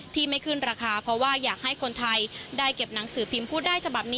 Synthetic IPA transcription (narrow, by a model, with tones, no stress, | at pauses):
t̪ʰiː˥˩ma˥˩jkʰɯ˥˩nɾaː˧kʰaː˧pʰɾɔ˦˥waː˥˩jaː˨˩k̚ha˥˩jkʰo˧nt̪ʰa˧jdaː˥˩jke˨˩p̚na˩˦ŋsɯː˩˦pʰi˧mpʰuː˥˩t̪̚daː˥˩jt͡ɕʰa˧ba˨˩p̚niː˦